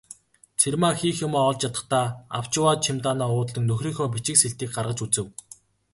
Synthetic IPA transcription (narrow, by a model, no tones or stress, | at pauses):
t͡sʰermaːxiːxjʊmaːɔɮt͡ɕjat̪ə̆t̪aːa̰w̥t͡ɕɪwaːt̪ʃʰɪmt̪aːnaːʊːt̪ɮĭŋnɵxriːŋxɔːp̬it͡ɕɪ̆kseɬt̪iːk̚ɢarʁə̆t͡ɕut͡sɘ̆w